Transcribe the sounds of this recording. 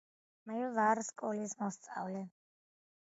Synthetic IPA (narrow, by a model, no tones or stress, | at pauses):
mavaɾskʼɔlismɔst̪sʼa̰vlɛ